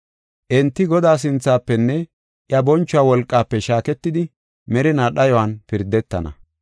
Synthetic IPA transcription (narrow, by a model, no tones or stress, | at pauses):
ʔɛnt̪ːɪɡɔd̪aːs̬ɪnt͡sːaːpːɛnːɛ | ʔjɐbɔnt͡ʃːʊwaːwɔlkʼːaːpːɛʃaːkɛt̪ːɪd̪ɪ | mɛɾɪnaɗɐjɔwanpɪɾd̪ːɛt̪ːɐ̰nɐ̰